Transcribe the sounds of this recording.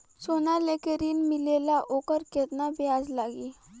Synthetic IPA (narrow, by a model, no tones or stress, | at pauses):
sonalekəɾiːnmilelaʔokəɾket̪nabjad͡zlaɡi